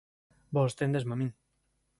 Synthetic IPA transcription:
bost̪end̪esmamĩn

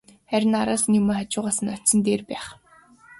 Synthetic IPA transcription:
χæɾʲɪ̆naɾaːsnimoːχat͡ɕʊːʁaːsə̆nɔtsə̆nt̪eːrpæːχ

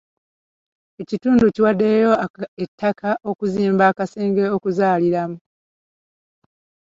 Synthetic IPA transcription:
e̞cituːnduciwadːe̞ːjo̞etʰːakʰaʔo̞kuziːmbaːkase̞ːŋɡe̞o̞kuzaːliɾamu

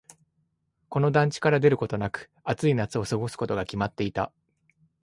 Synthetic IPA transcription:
ko̞no̞d̪ãɲ̟t͡ɕi̥kaɾad̪e̞ɾɯ̟ko̞t̪o̞nakɯ̟̥ | at͡sɨinat͡sɨo̞sɨɡo̞sɨ̥ko̞t̪o̞ɡakʲimat̪ːe̞it̪a̰

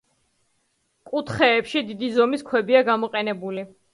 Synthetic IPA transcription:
kʼut̪ʰχɛːpʃid̪id̪izɔmiskʰwɛbiaɡamɔqʼɛnɛbuli

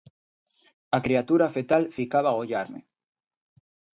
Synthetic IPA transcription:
akɾiat̪uɾafet̪alfikaβaɣoʎaɾmḛ

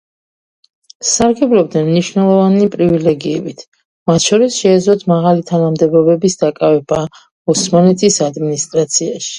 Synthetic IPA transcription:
saɾɡɛbɾɔb̚d̪nɛnmniʃnɛlˠɔvanipʼɾivilɛɡiɛbit̪ʰ | mat̪ʰʃɔɾisʃɛːd̪zlɔt̪ʰmaʁalit̪ʰanamd̪ɛbɔbɛbisd̪akʼavɛba | ɔsmanɛt̪ʰisad̪minist̪ʼɾat̪sʰiaʃi̥

